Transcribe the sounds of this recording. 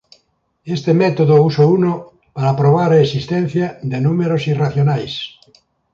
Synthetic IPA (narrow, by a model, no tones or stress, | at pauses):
est̪emɛt̪oðousouno | paɾapɾoβ̞aɾaesist̪ɛn̟θjad̪enumeɾosiraθjonajs